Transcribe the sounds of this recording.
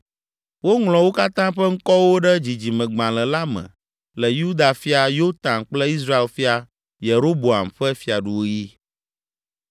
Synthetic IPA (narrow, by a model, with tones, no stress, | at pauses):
wo˦ŋlɔ̃˨wo˦ka˦t̪ã˦ɸɛ˦ŋ̩˦kɔ˦wo˦ɖɛ˦d͡ʑi˨d͡ʑi˨mɛ̃˨ɡ͡bã˨lɛ˨la˦mɛ̰̃˨ | lɛ˨ju˦d̪a˨fi˦a˨jo˦t̪ã˨nk͡plɛ˦i˦s̬ɾa˦e˨lfi˦a˨ | je˨ɾo˦bo˨a̰˨mɸɛ˦fi˨a˨ɖu˦˨wo˦ji˦